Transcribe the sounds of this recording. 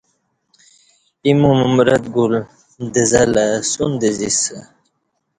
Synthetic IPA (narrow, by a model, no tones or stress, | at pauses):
imumumɾat̪̚ɡul | d̪əzalasund̪əzisə